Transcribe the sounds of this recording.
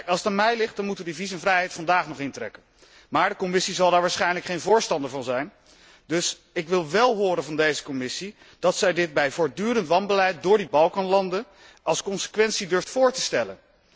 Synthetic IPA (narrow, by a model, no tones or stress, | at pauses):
ɑlˠsətanmɛjlɪχt̚dɑnmutəʋədivis̬ɛnvrɛjɦɛjtfɑndaːχnɔχɪntrɛ̰kən | maːɹdəkɔmɪsizɑlˠdaːɹʋaːɹsχɛjnləkχejnvʊːɹstɑndəɹvɑnzɛjn | dɵs | ɪkʋɪlˠʋɛlˠɦʊːɾənvɑndejzə̥kɔmɪsi | d̥ɑtsɛjdɪt̚bɛjvʊːɹdyːɾəntʋɑnbəlɛjt̚dʊːɹdibɑlˠkɑnlɑndə | ʔɑlˠskɔnsə̥kʋɛntsidɵɹftfʊːɹtəstɛlə̰n